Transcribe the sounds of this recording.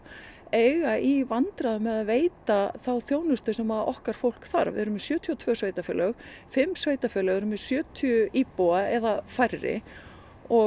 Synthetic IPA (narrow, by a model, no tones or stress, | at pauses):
ejɣaʔivant̪ɾaðʏmːɛðaðveːjt̪aθawθjoːwnʏst̪ʏsɛmaðɔ̰hkaɾ̥fowl̥kθa̰ɾvɪ̰ɛɾʏmɪsjœːt̪ʰjɔt̪ʰvœːsveːjt̪afɛːlœɣfɪmːsveːjt̪afɛːlœɣɛɾʏmɛsjœːt̪ʰiʏiːpoaɛðafajrːɪ̰ | ɔ